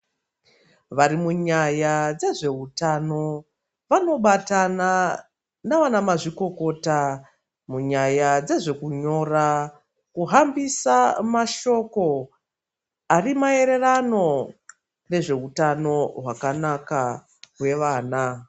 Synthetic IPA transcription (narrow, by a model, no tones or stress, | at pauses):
ʋaɾimuɲajad͡ze̞ʐe̞utano̞ | ʋano̞ɓatana | naʋanamaʐiko̞ko̞ːta | muɲajad͡ze̞ʐe̞kuɲo̞ra | kuɦambisamaʃo̞ko̞ | arimae̞ɾe̞rano̞ | ne̞ʐe̞utano̞ɦwakanaka | ɦwe̞ʋaːna